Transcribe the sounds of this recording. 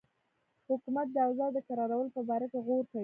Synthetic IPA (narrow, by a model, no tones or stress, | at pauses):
hʊkumat̪̚d̪əawzɑd̪əkaɾɑɾawəlopəbɑɾakeɣoɾkawi